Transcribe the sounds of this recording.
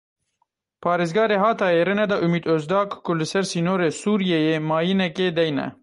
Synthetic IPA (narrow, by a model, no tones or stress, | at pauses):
pʰɑːɾeːzɡɑːɾeɦɑːt̪ɑːjeɾɨnɛd̪ɐʔumiːd̪ozd̪ɑːkkʊlɨsɛɾsiːnoːɾeːsuːɾijejeːmɑːjinɛkeːd̪ɛjnɛ̰